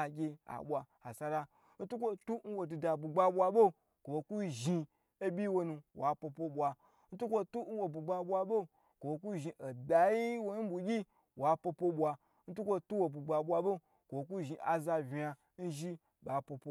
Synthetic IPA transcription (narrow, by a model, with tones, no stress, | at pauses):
a˨ɡʲe˧a̰˨ɓʷa˧ha˨sa˧ɾa˧ | n̩˦tu˦kʷo˦tu˦n̩˦wo˨du˧da˨bu˨ɡ͡ba˧ɓʷa˧bo˦ | kʷo˨wo˧ku˦ʒi˧ | e˦bʲi˦wo˧nũ˧wa˨po˧po˦ɓʷa˧ | n̩˦tu˦kʷo˦tu˦n̩˦wo˨bu˨ɡ͡ba˧ɓʷa˧bo˦ | kʷo˨wo˧ku˦ʒi˧ʔo˨da˨ji˦wo˧˦bu˨ɡʲi˦ | wa˨po˧po˧ɓʷa˧ | n̩˦tu˦kʷo˧tu˦wo˧bu˨ɡ͡ba˧ɓʷa˧ɓo˦ | kʷo˨o˧k̬u˦ʒi˧ʔa˨za˧vʲi˨a˧ | n̩˦ʒi˦ | ba˨po˧po˧˦